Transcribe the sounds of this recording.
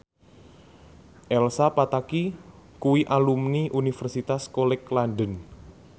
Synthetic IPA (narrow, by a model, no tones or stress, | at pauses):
ʔɛlsapat̪aki | kuwiʔalumniʔunifɛrsit̪askolɛklanɖən